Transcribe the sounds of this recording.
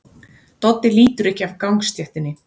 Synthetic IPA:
t̪ɔt̪ːɪliːt̪ʏɾɛhcɪavkawŋkst̪jɛht̪ɪnːɪ

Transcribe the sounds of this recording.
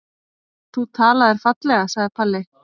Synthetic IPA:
θut̪ʰaːlaðɛɾ̥fat̪lɛɣasaɣðɪpʰalːɪ

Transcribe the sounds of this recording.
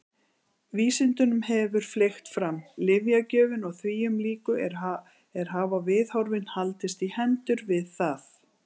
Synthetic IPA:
viːsɪnt̪ʏnʏmhɛvʏɾ̥flext̪fɾamlɪvjacœːvɪnɔɣθviːjʏmliːkʏɾ | ɛɾ̥ɦaːvavɪðhɔwɾvɪnhalt̪ɪst̪ihɛnt̪ʏɾvɪðθaθ

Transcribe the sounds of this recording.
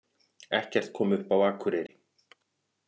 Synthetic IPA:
ɛhcɛr̥t̪̚kʰɔːmʏhpawaːkʰʏɾɪɾɪ

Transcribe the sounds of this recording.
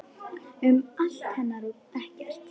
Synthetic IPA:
ʏmal̥t̪hɛnːaɾupɛhcɛr̥t̪

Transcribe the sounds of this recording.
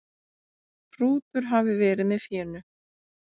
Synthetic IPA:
pʰɾuːt̪ʏɾ̥ɦavðɪvɛːɾɪðmɛðfjɛːnʏ

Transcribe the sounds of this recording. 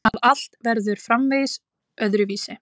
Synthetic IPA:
aðal̥t̪vɛɾðʏɾ̥fɾamveːjs | œðɾʏviːsɪ

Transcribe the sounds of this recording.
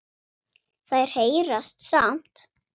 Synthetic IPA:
θaðɛɾ̥heːjɾast̪sam̥t̪

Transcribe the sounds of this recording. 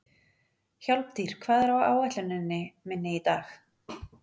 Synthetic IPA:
çalp̚t̪ʰir̥kʰv̥aːðɛɾawa̰ːwat̪ʏnɪnːɪmɪnːɪit̪aːx

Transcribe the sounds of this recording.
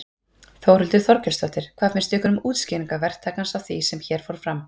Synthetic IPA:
θowɾʏlt̪ʏθɔɾcɛst̪vɔht̪ɪɾ̥kʰvaːfɪnst̪ɛhkʏnʏmuːt̪sciːniŋkavɛr̥t̪ʰaːkansawθisɛmçɛːɾ̥foɾ̥fɾam

